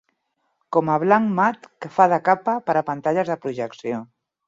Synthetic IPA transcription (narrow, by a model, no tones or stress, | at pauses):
kɔmaβlaŋmat̪kəfað̞əkapapəɾapant̪aʎəzðəpɾuʒəksjo